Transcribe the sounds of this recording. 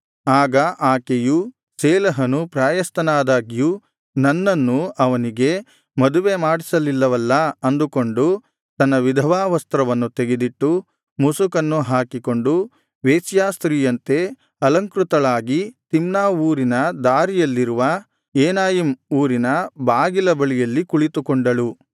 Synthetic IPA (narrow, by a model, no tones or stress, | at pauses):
aːɡɐʔaːkeju | sɛːlɐɦɐnupɾaːjɐst̪ɐnaːd̪aːɡiju | nɐnːɐnːuʔɐʋɐniɡe̞ | mɐd̪uʋe̞maːɽisɐlilːɐʋɐlːɐɐnd̪uko̞ɳɖu | t̪ɐnːɐʋid̪ʱɐʋaːʋɐst̪ɾɐʋɐnːut̪e̞ɡe̞d̪iʈːu | musukɐnːuɦaːkiko̞ɳɖu | ʋeːsjaːst̪ɾiːjɐnt̪e̞ | ɐlɐŋkɾut̪ɐɭaːɡit̪imnaːuːɾinɐd̪aːɾijɐlːiɾuʋɐ | eːnaːjimuːɾinɐbaːɡilɐbɐɭijɐlːikuɭit̪ukoɳɖɐɭu